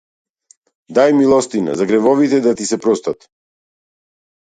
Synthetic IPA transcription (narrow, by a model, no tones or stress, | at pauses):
d̪ajmilˠɔst̪ina̰zaɡɾɛvɔvit̪ɛd̪at̪isɛpɾɔst̪at̪